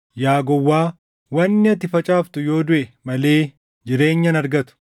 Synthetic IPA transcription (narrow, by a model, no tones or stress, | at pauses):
jaːɡɔwːaː | wɐnːɪɐt̪ɪfɐt͡ʃʼaːft̪ʊjo̞ːd̪ʊʔɛmɐle̞ː | d͡ʒɪɾe̞ːɲːɐnɐɾɡɐt̪ʊ̥